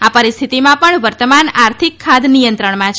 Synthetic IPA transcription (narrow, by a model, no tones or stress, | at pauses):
apəɾist̪ʰit̪imãpəɳʋəɾt̪əmanaɾt̪ʰikʰːad̪nijə̃nt̪ɾəɳmãt͡ʃʰ